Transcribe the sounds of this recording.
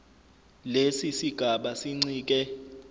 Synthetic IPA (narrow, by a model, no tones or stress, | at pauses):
lesisiɡ̥ʱaɓasiŋ͡ǀiːk̬ɛ